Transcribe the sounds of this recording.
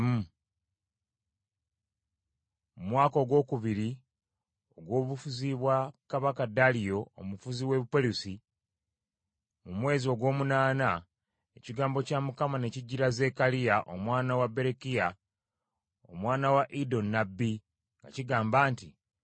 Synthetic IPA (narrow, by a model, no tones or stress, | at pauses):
mu | mumwaːko̞ɡwo̞ːkuβiɾi | oɡwo̞ːβufuziβwakaβakadalijo̞ːmufuziwe̞βupolusi | mumwe̞ːzio̞ɡwo̞ːmunaːna | eciɡaːmbo̞camukamane̞ciɟːiɾaze̞kalijaʔo̰mwaːnawabe̞ɾekija | o̰mwaːnawaʔido̞nːabːi | ŋɡaciɡaːmbaːnti